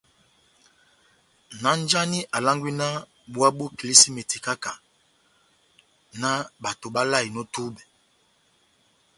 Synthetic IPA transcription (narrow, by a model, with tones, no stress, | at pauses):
na˦n˦d͡ʒa˦ni˦ʔa˨la˦ŋɡwi˦na˦ | ɓu˦a˦ɓu˦ki˨li˦si˦me˨ti˨ka˦ka˨ | na˦ɓa˨to˨ɓa˦la˦˨i˨nɔ˦tu˦bɛ˨